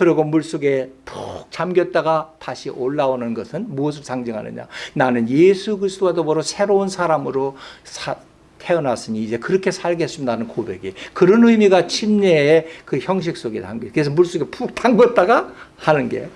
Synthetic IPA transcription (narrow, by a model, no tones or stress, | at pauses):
kɯɾiɡomuɭs͈oɡe̞pʰuk̚t͡ɕamɡjʌt̚t͈aɡataɕʰiʔoɭːaonɯnɡʌsʰɯnmuʌs̬ʰɯ̥saŋd͡ʑɯŋɦa̰nɯ̰ɲa̰nanɯnjesʰukɯɾisʰt͈oadobʌɾosʰe̞ɾounsʰaɾamɯɾosʰa | tʰe̞ʌnas͈ɯɲiːd͡ʑe̞kɯɾʌkʰe̞sʰaɭɡes͈umnanɯnkobe̞̰ɡikɯɾʌnɯimiɡat͡ɕʰimɲeːkɯçjʌŋɕ̬ʰik̚s͈oɡeta̰mɡikɯes̬ʰʌmuɭs͈oɡepʰuk̚tʰaŋɡʌt̚t͈aɡahanɯnɡe̞̰